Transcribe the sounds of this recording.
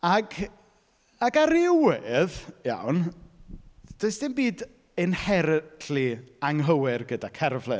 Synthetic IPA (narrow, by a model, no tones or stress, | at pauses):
aɡ | aɡaɾɪwɪðja̰wn | d̥oɨsd̥ɪmbiːd | ɨnhɛɾtʰliaŋɦəwɪrɡədakʰɛrvlɛ